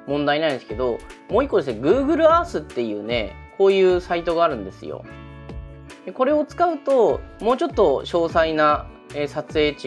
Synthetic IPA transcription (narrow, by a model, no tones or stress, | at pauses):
mõ̞nd̪aiɲnãĩnd̪esɨ̥ked̪o̞mo̞ːikːod̪esɨneɡɯ̟ːɡɯ̟ɾɯ̟aːsɨt̪ːe̞jɯ̟̰ːne̞̰kʰo̞ːjɯ̟ːsait̪o̞ɡaːɾɯ̟̃nd̪e̞sɨ̰jo̰ | d̪eko̞ɾe̞o̞t͡sɨ̥kaɯ̟t̪o̞mo̞ːt͡ɕo̞t̪ːo̞ɕo̞ːsaina | eːsat͡sɨe̞ːt͡ɕi